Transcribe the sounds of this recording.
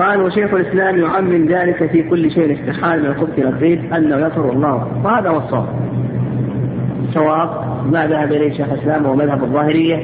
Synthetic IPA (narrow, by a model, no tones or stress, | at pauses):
ʔaːlwɪʃeːxɪlʔɪslaːmjʊʕamːɪnðaːlɪkafiːkʊlːʃeːʔnɪst̪ɪħaːlmɪnalqʊbsilːɑsˤiːbʔanːajasʊɾˤwɑlˤːɑ̰ːwɪhaːðauwɑsˤːɑwa̰ːb̚ | ɪsˤːɑwaːb | maðahabʔɪlaːʃeːxalʔɪslaːmwmaðhabɑðˤːɑːhɪɾɪjːa